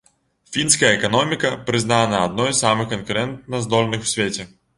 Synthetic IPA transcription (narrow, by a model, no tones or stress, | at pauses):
fʲinskɐjəɛkanɔmʲikɐpɾɨznanɐːd̪̚nɔjssamɨxkɐnkʊɾɛnt̪̚nɐzd̪ɔlʲnɨxw̥sʲvʲet͡sʲɛ